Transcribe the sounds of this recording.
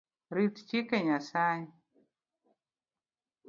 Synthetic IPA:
ɾitt͡ʃikeɲasaɲi

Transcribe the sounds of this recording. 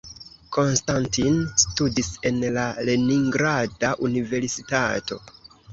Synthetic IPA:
kʰo̞nstantinstudise̞nlaleniŋɡɾadaʔunive̞ɾsitato̞̰

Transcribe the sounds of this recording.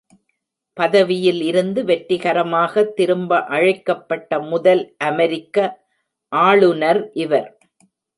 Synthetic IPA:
pɐðɐʋɪjɪlɪɾɯnd̪ɯʋɛʈːɪɣɐɾɐmaːɣɐt̪ːɪɾɯmbɐʔɐɻɐɪkːɐpːɐʈːɐmʊðɐlʔɐmɛɾɪkːɐ | ʔaːɭɯnɐɾʔɪʋɐɾ

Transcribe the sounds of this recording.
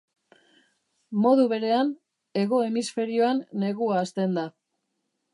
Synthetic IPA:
mo̞ðuβ̞e̞ɾe̞an | e̞ɣo̞e̞misfe̞ɾio̞anːe̞ɣuaːst̪e̞nd̪a

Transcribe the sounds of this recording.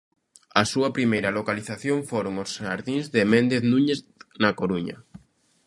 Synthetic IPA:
asuɐpɾimejɾɐlokaliθaθjõŋfoɾoŋosʃaɾðiŋzðemẽnd̪eθnũɲeθ | nakoɾuɲɐ̰

